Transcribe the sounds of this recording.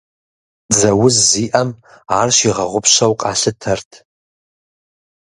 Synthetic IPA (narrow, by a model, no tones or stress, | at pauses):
zɐwʊzːiʔɐm | aːrʃiʁɐʁʷʊpʰʃɐwqʼaɬɨtʰɐrtʰ